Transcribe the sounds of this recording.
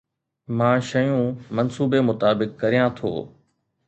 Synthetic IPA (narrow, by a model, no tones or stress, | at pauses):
mãːʃɐjũmɐnsuːbemʊt̪aːbɪkːɐɾijãt̪ʰo̰ː